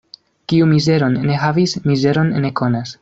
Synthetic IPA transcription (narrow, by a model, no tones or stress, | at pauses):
kiumize̞ɾo̞nːe̞ɦavismize̞ɾo̞nːe̞ko̞nas